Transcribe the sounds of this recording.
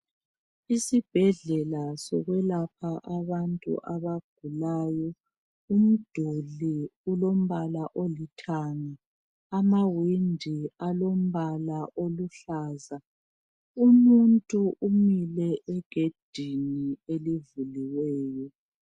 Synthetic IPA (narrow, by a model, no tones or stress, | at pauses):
isib̥ʱɛɮɛlasɔɣwɛlapʰaʔaβantʼṵʔaβaɡ̥ʱulaːjɔ | um̩d̥ʱoɮiulom̩βalaʔolitʰaŋa | amawindʱialom̩βalaʔoluɬaːza | umuntʼuʔumilɛʔɛɡ̥ʱed̥ʱinielivuliwɛːjɔ